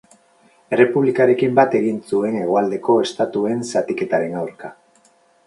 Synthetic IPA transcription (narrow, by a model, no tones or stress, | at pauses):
e̞re̞puβlikaɾe̞kimbat̪e̞ɣinsue̞ne̞ɣ̞o̞ald̪e̞ko̞e̞st̪at̪ue̞nsat̪ike̞t̪aɾe̞nawɾka